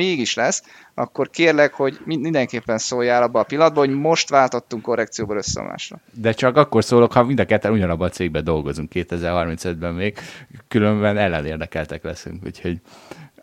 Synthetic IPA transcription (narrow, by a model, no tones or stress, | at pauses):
eːɡiʃlɛs | ɒ̰kːo̞rkeːrlɛkho̞ɟmiind̪ɛŋkeːpːɛnsoːjaːlɒbːɒːpilːɒd̪̚bɒɦo̞ɟmo̞ʃt̪ʋaːlt̪o̞t̪ːuŋko̞rːɛkt̪sijoːbɒlø̞sːɛ̰ma̰ːʃrɒ̰d̪ɛt͡ʃɒkɒkːo̞rsoːlo̞khɒmind̪ɒkɛt̪ːɛnuɟɒnɒbːɒt̪seːɡ̚bɛd̪o̞lɡo̞zuŋkːeːt̪ɛzɛrhɒrminsɛd̪bɛmmeːɡkylømbɛnɛlːɛneːrd̪ɛkɛlt̪ɛklɛsy̰ŋkṵcho̞ɟ